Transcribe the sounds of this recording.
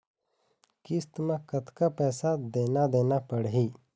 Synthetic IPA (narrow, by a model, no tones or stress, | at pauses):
kɪst̪mẽkət̪kapɛːsad̪eːnad̪eːnapəɽɦiː